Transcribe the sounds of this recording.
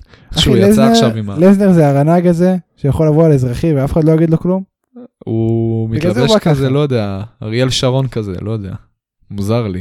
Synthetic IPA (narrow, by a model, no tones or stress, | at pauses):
ailezeʃavimmalezneʁzeaʁanaɡaze̞ʃejaχolavoalezʁaχimveafe̥χadlojaɡid̪lo̞klum | umitɡazeakazelojod̪eaʁijelʃaʁo̞nkazḛlojod̪ea̰ | muzaʁli